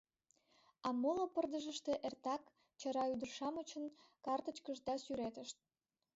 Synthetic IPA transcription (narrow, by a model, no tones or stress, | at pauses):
ɑmolopərd̪əʒəʃt̪e̽ʔert̪ɑk | t͡ɕə̆ɾɑyd̪ərʃɑmət͡ɕə̆nkɑrt̪ət͡ɕkəʒd̪ɑsyɾet̪əʃt̪̚